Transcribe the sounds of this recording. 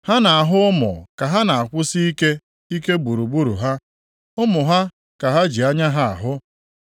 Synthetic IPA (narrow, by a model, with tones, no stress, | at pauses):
ha˦na˨a˨ɦʊ˦ʊ˦mʊ̰˨ka˨ɦa˦na˨a˨kʷʊ˦si˦i˦ke˦ | i˦ke˦bu˨ɾu˨bu˦ɾṵ˨ɦa˦ | ʊ˦mʊ˨ɦa˦ | ka˨ɦa˦d͡ʒi˨a˦ɲa˦ɦa˦a̰˨ɦʊ˦